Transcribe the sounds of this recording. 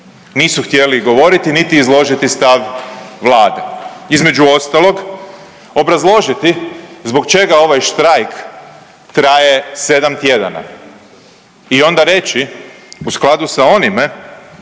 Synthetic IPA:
niːsuxt̪je̞liɡo̞ʋo̞ɾit̪init̪iːzlˠo̞ʒit̪ist̪aʋʋlaːd̪ḛizme̞d͡ʒuo̞st̪alo̞ɡ | o̞bɾazlˠo̞ʒit̪izbo̞kt͡ʃe̞ɡao̞ʋajʃt̪ɾajk | t̪ɾaje̞se̞d̪amt̪je̞d̪a̰na̰ | io̞nd̪aɾe̞t͡ʃiusklˠad̪usao̞nime

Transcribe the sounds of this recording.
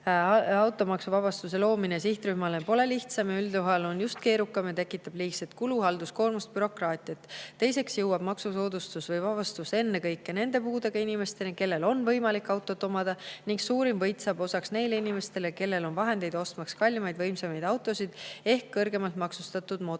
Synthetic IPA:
ɑwt̪ːˑo̞mɑksuvɑbɑst̪use̞lo̞ːminesiht̪ɾyhmɑlepo̞le̞liht̪sɑmɑyld̪uɦɑlo̞njust̪ke̞ːɾukːˑɑmet̪ekːˑit̪ːˑɑb̥liːkset̪kuluɦɑld̪̥usko̞ːrmust̪̚byɾo̞krɑːt̪ʲˑiɑt̪ːe̞jse̞ksjɤwːɑb̥mɑksuso̞ːd̪̥ust̪usvɤjvɑb̥ɑst̪use̞nːe̞kɤjkːene̞nd̪̥e̞puːd̪e̞ɡ̥ɑinime̞st̪e̞neke̞lːe̞lo̞nvɤjmɑlikːˑɑwt̪ːˑo̞t̪omɑd̪̥ɑniŋksuːɾimvɤjt̪ˑsɑbo̞sɑksne̞jleinime̞st̪e̞le̞ke̞lːe̞lo̞nvɑɦe̞nd̪e̞jd̪̥o̞st̪mɑkskɑlʲːimɑjd̪̥vɤjmsemɑjd̪ɑwt̪ːˑo̞sid̪̥e̞hkːɤrɡe̞mɑlt̪mɑksust̪ɑt̪ːˑud̪̥mo̞

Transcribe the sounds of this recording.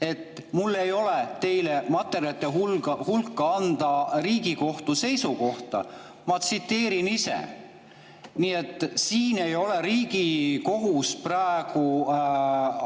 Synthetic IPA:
e̞t̪ːˑ | mulːe̞jo̞let̪e̞jlemɑt̪ːˑe̞ɾjɑt̪ːˑeɦulɑhulkːɑɑnd̪̥ɑriːɡiko̞ht̪use̞jsuko̞ht̪ɑ̰ | mɑt̪sit̪ːe̞ːɾinisḛ | niːe̞t̪ːˑsiːne̞jo̞le̞ɾiːɡ̥iko̞ɦusprɑeɡ̥u

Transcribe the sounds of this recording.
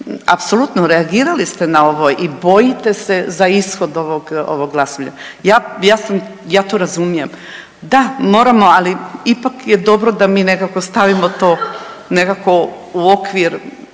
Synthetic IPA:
a̰pso̞lˠut̪noɾeaɡiːɾalist̪e̞nao̞ʋojʔibo̞jit̪e̞se̞zaisxo̞d̪o̞ʋoɡo̰ʋoɡɡlˠasoʋʎa̰jaːjaːsamjaːt̪oːɾazumijem | d̪amo̞ːɾamo̞aliipakje̞d̪o̞bɾo̞d̪amiːnekako̞st̪aʋimot̪oːne̞kako̞uo̞kʋiɾ

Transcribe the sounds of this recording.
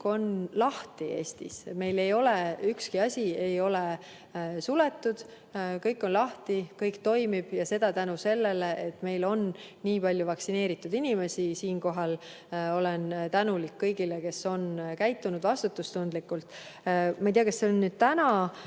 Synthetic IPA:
ko̞nlɑht̪ie̞ːst̪ḭsme̞jle̞jo̞leykskiɑsʲie̞jo̞le | sulet̪ːˑud̪̥ | kɤjkːˑo̞nlɑht̪ikɤjkt̪o̞jmib̥jɑse̞d̪̥ɑt̪ænuse̞lːeleet̪ːˑme̞jlo̞nː | iːpɑlʲjuvɑksine̞ːɾit̪ːˑud̪̥inʲime̞sisiːnko̞ɦɑl | o̞lent̪ænulikːɤjɡile̞ke̞so̞nkæjt̪ːˑunud̪̥vɑst̪ut̪ːˑust̪und̪likːult̪ːˑmɑjt̪ijɑkɑsːeonːyːd̪̥̚t̪ænɑ

